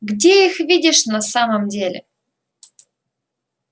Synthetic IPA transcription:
ɡdʲeixvʲidʲɪʂnasaməmdʲelʲḛ

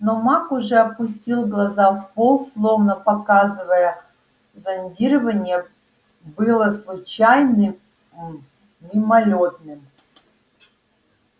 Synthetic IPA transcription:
nomakʊʐɛɐpʊsʲtʲilˠɡlˠɐzafpolˠslˠovnəpɐkazɨvəjə | zɐnʲdʲiɾəvənʲɪjə | bɨlˠəslˠʊt͡ɕajnɨ | nʲɪmɐlʲot̪nɨm

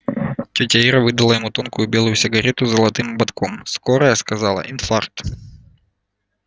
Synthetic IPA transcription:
tʲɔtʲɐiɾɐvɨd̪ɐlˠəjɪmut̪onkʊjʊbʲelˠʊjʊsʲɪɡɐɾʲɛt̪ʊzɐlˠɐt̪ɨmbɐt̪komskoɾəjɐskɐzɑlˠɐ̰ʔinfark̚t̪

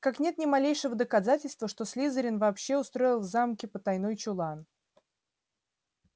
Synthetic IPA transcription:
kaknʲe̞t̪nʲɪmɐlʲejʂɨvəd̪əkɐzatʲɪlʲst̪vəʂt̪o̞sʲlʲizəɾʲɪnvɐːpɕːe̞ʊst̪ɾo̞ɪlˠvzamkʲɪpət̪ɐjno̞jt͡ɕʊlˠan

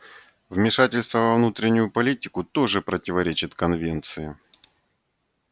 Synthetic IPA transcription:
vmʲɪʂatʲɪlʲst̪vəvɐvnut̪ɾʲɪnʲːʊjʊpɐlʲitʲɪkʊt̪o̞ʐɨpɾətʲɪvɐɾʲet͡ɕɪt̪kɐnvʲe̞nt̪sɨɪ

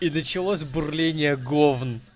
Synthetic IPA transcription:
inət͡ɕɪlˠosʲbʊrlʲenʲɪjəɡovn

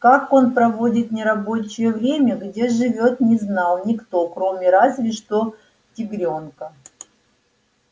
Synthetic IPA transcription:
kako̞npɾɐvo̞dʲɪt̪nʲɪɾɐbo̞t͡ɕɪjəvɾʲemʲəɡdʲeʐɨvʲo̞t̪nʲɪznɑlˠnʲɪkt̪o̞kɾo̞mʲɪɾazvʲɪʂt̪o̞ | tʲɪɡɾʲonkə

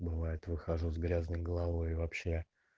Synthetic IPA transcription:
bɨvajɪt̪vɨxɐʐuzɡɾʲaznəjɡəlˠɐvo̞jvɐpɕːe̞

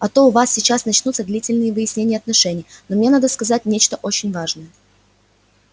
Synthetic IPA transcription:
ɐt̪o̞ʊvasʲsʲɪt͡ɕasnɐt͡ɕnut̪səd̪lʲitʲɪlʲnɨjəvɨjɪsʲnʲenʲjəɐt̪nɐʂɛnʲɪjnomnʲe̞nad̪əskɐzat̚ʲnʲet͡ɕt̪əʔo̞t͡ɕɪnʲvaʐnəjə

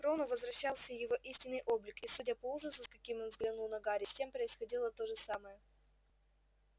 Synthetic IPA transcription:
kɾonʊvəzvɾɐɕːalˠsʲəjɪvo̞ʔisʲtʲɪnːɨjʔo̞blʲɪkisudʲapɐuʐəsʊskɐkʲimʲo̞nvzɡlʲɪnulˠnɐɡaɾʲɪsʲtʲe̞mpɾəɪsxɐdʲilˠət̪o̞ʐɨsaməjə

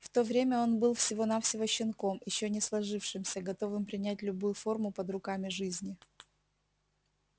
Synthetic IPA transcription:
ft̪o̞vɾʲemʲəo̞nbɨlˠfsʲɪvo̞nafsʲɪvəɕːɪnko̞mjɪɕːonʲɪslˠɐʐɨfʂɨmsʲəɡɐt̪o̞vɨmpɾʲɪnʲæt̬̚ʲlʲʊbujʊfo̞rmʊpəd̪rʊkamʲɪʐɨzʲnʲɪ

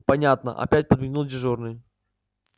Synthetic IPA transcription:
pɐnʲat̪nə̰ʔɐ̰pʲætʲpəd̪mʲɪnulˠdʲɪʐornɨj

